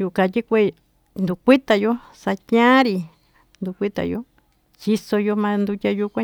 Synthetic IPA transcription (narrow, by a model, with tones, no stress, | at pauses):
ju˧˨kã˧t̪ʲi˦kʷe˦˧˨ | nd̪u˧˨kʷi˦t̪a˧jo˦ | sa˧tʲɲã˦ɾi˧ | nd̪u˧˨kʷi˦t̪a̰˧jo̰˧˦ | t͡ʃi˧so˧jo˧mã˧nd̪u˧tʲa˧ju˧kʷã˦